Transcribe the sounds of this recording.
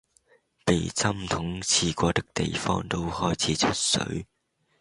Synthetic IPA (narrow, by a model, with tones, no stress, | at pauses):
pe˨jt͡sɐ˥mt̪ʰʊ˨˥ŋt͡sʰiː˨˩kʷɔː˧t̪ɪ˥k̚t̪e˨jfɔ̰ː˥ŋt̪o˥whɔː˥jt͡sʰiː˨˥t͡sʰɵ˥t̚sɵ̰˨˥ɥ